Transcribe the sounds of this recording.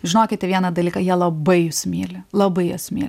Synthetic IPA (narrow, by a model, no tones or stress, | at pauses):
ʒʲɪnoːkʲɪt̪t̪ʲɛʋʲiɛnɐd̪ɐlʲiːkɐjiɛlˠɐbɐɪjʊsʲmʲiːlʲɪlˠɐbɐɪjosʲmʲiːlʲ